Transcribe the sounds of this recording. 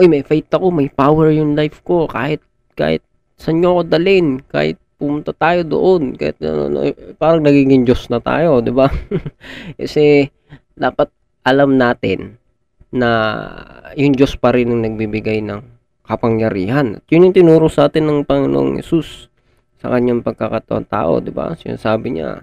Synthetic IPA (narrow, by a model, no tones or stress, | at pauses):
ʔojmɐjfajt̪ɐko̞mɐjpaːwɛɹjʊŋlajfko̞ka̰ːhɪt̪̚ | ka̰ːhɪ̰t̪̚ | sɐɲɲoɐko̞d̪ɐlɪnka̰ːhɪ̰t̪̚pʊmʊnt̪at̪aːjo̞d̪o̰ʔonkɐ̰hɪ̰t̪ɐ̰no̰no̰paːɾɐŋnɐɡiːɡɪŋd͡ʒo̞snɐt̪a̰ːjo̞d̪ɪba | kɐsɛ | d̪aːpɐt̪̚ | ʔɐlamnaːt̪ɪnː | ɐ | jʊŋd͡ʒo̞spɐɾɪnɐŋnɐɡ̚bibɪɡajnɐŋ | kɐpɐŋjɐɾiːhɐnɐ̰t̪̚jʊnjʊŋt̪ɪnuːɾosɐʔaːt̪ɪnːɐŋpɐŋɪno̰ʔo̰ŋhɛ̰susː | ɐ̰kɐɲːaŋpɐɡ̚kɐkɐt̪ɐʔo̰nt̪a̰ːʔo̞̰d̪ɪba̰sjʊ̰saːbɪɲa̰